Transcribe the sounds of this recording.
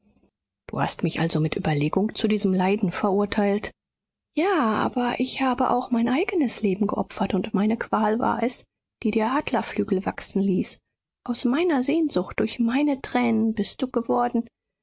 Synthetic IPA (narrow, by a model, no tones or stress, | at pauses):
d̥uːha̰stmɪçʔa̰lzomɪtʔy̰ːbɐleːɡʊŋt͡sudiːzəmlaɪdn̩fɛɐʔʊɐtʰaɪlt | jaːʔa̰ːbɐʔɪçhaːbəʔa̰ʊxmaɪnʔaɪɡənəsleːbm̩ɡəʔɔ̰pfɐtʊntmaɪnəkv̥aːlva̰ːɐʔɛs | d̥iːdiːɐʔaːdlɐflyːɡl̩vaksn̩liːs | ʔaʊsmaɪnɐzeːnzʊxt̚d̥ʊɐçmaɪnətʁ̥ɛːnənbɪst̚d̥uːɡ̥əvɔɐdn̩